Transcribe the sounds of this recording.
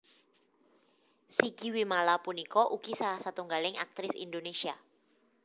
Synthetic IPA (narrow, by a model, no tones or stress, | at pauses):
siɡ̥iwimalapunikɔʔukisalahsat̪uŋɡalɪŋa̰k̚t̪ɾɪsḭndonesia